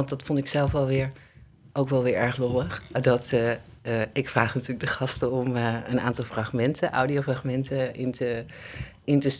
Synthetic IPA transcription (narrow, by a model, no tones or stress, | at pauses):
ɑndɑtfɔntɪksɛlˠfʋɛlˠʋɪːɹ | ʔowkʋɛlˠʋɪːɹɛɹχloəχdɑt | ɪkfraːχnatyːləɡ̚dəχɑstəɔməna̰ːntɑlˠfraχmɛntʰənʔa̰wdiowfraχmɛntəʔɪntə | ɪntəs